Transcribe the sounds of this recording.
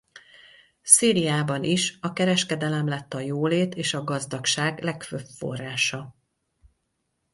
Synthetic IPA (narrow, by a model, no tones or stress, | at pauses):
siːɾijaːbɒnʔiʃɒkɛɾɛʃkɛd̪ɛlɛmlɛt̪ːɒjoːleːt̪eːʃɒɡɒzd̪ɒkʃaːɡlɛkføpfo̞̰rːaːʃɒ